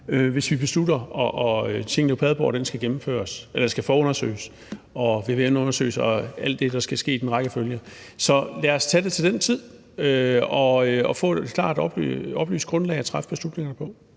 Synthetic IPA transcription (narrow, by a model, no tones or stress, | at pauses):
øʋe̝sʋib̥e̝sluɾɐɒʔɒt͡sʰe̝ŋ̰n̩epʰɛð̞ˠb̥ɒ̰ːd̥ensɡ̥æɡ̥emm̩fø̰ːɐselɐ̥sɡ̥æfɒːɔnɐsø̰ːɪs | ɒ̽ʋe̝ʋenɔ̽nɐsø̰ːɪsɒæl̰d̥ːe̝d̥ɑ̈sɡ̥æsɡ̥e̝̰ːd̥enʁɑ̈ɡ̥əføljə | sɒ̽læːɐɒst͡sʰæde̝t͡sʰe̝ld̥ent͡sʰið̞̰ˠ | øɒ̽øɒfɔ̰̽ːe̝e̝d̥̚kʰlɑ̰̈ːd̥ɒ̽b̥l̰ɒ̽b̥lḛːʊsɡ̥ʁɔ̽nlɛ̰ːɪæt͡sʰʁafb̥e̝slud̥ne̝ŋɐnəpʰɒ̽